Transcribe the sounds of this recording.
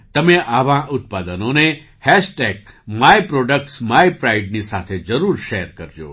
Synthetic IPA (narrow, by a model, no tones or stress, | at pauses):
t̪əmeʔaʋãʔʊt̪̚pad̪ənone | hɛʃʈeɡmajpɾoɖək̚ʈsmaipɾaiɖnisat̪ʰed͡ʒəɾuɾʃeɾkəɾd͡ʒo̰ː